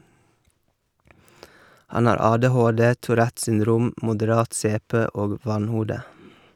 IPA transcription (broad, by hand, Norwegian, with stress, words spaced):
ˈhɑn ˈɑːɾ ˈɑːdɛˌhoːdeː tuːˈɾæt sʏnˈdɾuːm mʊdəˈɾɑːt ˈseːˌpeː ˈoːɡ ˈʋɑnˌhuːdə